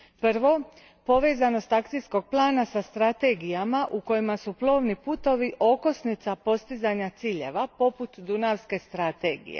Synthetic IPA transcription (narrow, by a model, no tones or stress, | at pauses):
pr̩ʋo̞ | po̞ʋe̞ːzano̞st̪akt̪isko̞ɡ̚plˠaːnasast̪ɾat̪e̞ɡijamaʔuko̞jimasuplˠo̞ːʋnipuːt̪o̞ʋiʔo̞ko̞snit̪sapo̞st̪izaɲat̪siːʎe̞̰ʋapo̞put̪d̪unaʋske̞st̪ɾat̪eːɡḭjḛ